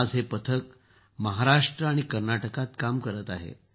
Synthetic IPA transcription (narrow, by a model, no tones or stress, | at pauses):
d͡zɦepət̪ʰək | məɦaɾaʂʈɾəaɽ̃ikəɾnaʈəkat̪kamkəɾət̪aɦḛ